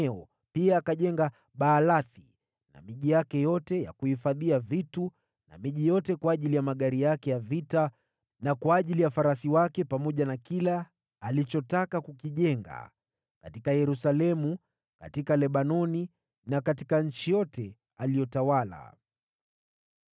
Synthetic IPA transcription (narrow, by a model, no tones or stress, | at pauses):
ɔ | piaːkaʄɛŋɡa | ɓaːlaθi | na̰miʄijakɛjɔtɛja̰kuhifaðiavitu | na̰miʄijɔtɛkwaːʄilijamaɠaɾijakɛjavita | nakwaːʄilijafaɾasiwakɛpamɔʄanakilaː | lit͡ʃɔtakakukiʄɛŋɡa̰ | katikajɛɾusalɛmu | ka̰tikalɛɓanɔni | nakati̥kaɲ̩t͡ʃijɔtɛ | alijɔtawala̰